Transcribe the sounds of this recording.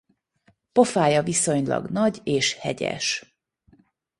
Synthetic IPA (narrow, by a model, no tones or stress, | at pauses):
po̞faːjɒviso̞ɲlɒ̰ɡnɒɟeːʃhɛɟɛ̰ʃ